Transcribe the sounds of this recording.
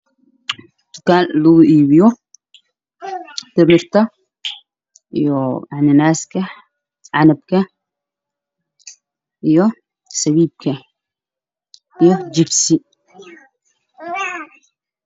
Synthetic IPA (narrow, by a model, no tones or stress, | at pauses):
d̪̥ʊkaːnluɡuʔiːβɪjɔ | t̪ɪmɪɾt̪ɐ | ʔijɔjaʕnɪnaːskʰɐ | ʕanɐb̚kʰɐ | ʔijɔ | sɐwiːb̚kʰɐ | ijɔd͡ʒɪbsi